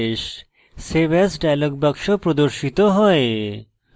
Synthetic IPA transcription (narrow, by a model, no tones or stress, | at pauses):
ʃ | sebesɖajlok̚bəkʃopɾod̪oɾʃit̪oɦɔe